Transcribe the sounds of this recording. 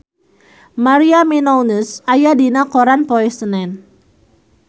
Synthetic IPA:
maɾiaminownəsajadinakoɾanpɔɛsənɛn

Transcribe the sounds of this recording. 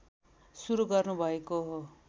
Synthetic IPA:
suɾuɡʌrnubʱʌekoɦo

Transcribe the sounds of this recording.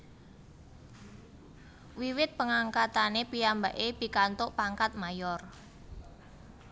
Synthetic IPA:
wiwɪt̪̚pəŋaŋkat̪anepiamba̤ʔeb̥i̤kant̪ʊʔpaŋkat̪̚majɔr

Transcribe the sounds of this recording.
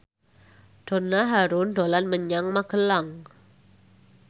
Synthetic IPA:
d̥o̤naɦaɾʊnɖolanməɲaŋmaɡ̥əlaŋ

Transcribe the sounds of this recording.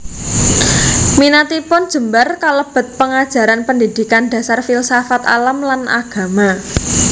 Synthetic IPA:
minat̪ipʊnd̥ʒ̥ə̤mbarkaləb̥ə̤t̪̚pəŋad̥ʒ̥ä̤ɾanpəndid̪̥i̤kanda̤sarfilsafat̪a̰lamlanʔa̰ɡ̥a̤ma

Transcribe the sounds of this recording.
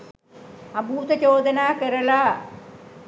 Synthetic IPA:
ɐbuːt̪ɐt͡ɕoːd̪ɐnaːkeɾɐlaː

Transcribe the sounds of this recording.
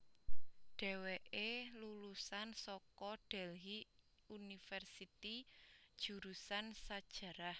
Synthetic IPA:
ɖ̥ɛ̤weʔelulusansɔkɔɖ̥ɛlɦi | unifɛrsit̪id̥ʒ̥ṳɾusansad̥ʒ̥ä̤ɾah

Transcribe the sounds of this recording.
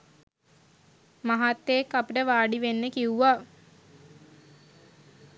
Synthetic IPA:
maɦat̪ːeekːapiʈəʋaːɖiʋenːəkiuʋa

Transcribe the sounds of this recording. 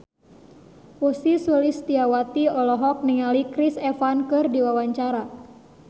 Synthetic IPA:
wusisəlist̪iawat̪iɔlɔɦɔk̚niŋalikɾisɛfankɨrdiwawaɲt͡ʃaɾa

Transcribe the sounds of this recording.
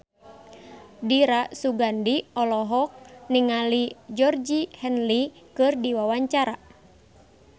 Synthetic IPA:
diɾasuɡandiɔlɔɦɔk̚niŋalid͡ʒɔrd͡ʒihɛnlikɨrdiwawaɲt͡ʃaɾa

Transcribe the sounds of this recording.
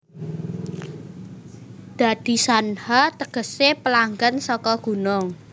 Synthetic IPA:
d̪̥a̤d̪̥i̤sanhat̪əɡ̥ə̤sepəlaŋɡənsɔkɔɡ̥ṳnɔŋ

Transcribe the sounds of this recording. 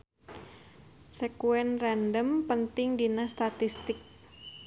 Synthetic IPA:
sɛkuɛnrandəmpənt̪ɪŋdinast̪at̪ist̪ɪk̚

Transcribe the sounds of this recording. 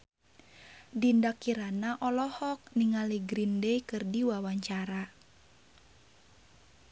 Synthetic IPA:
dindakiɾanaʔɔlɔhɔk̚niŋaliɡɾindɛjkɨrdiwawaɲt͡ʃaɾa

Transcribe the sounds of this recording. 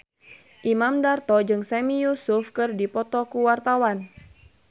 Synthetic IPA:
ʔimamdart̪ɔd͡ʒɨŋsɛmijusufkɨrdipɔt̪ɔkuwart̪awan

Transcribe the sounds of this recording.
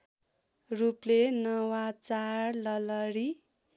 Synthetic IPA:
ruplenʌwat͡sarlʌlʌɾi

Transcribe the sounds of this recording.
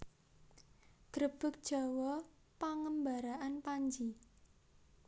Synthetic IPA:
ɡ̥ɾəb̥ʊ̤k̚d̥ʒ̥a̤wɔ | paŋəmbaɾaʔanpaɲd͡ʒi

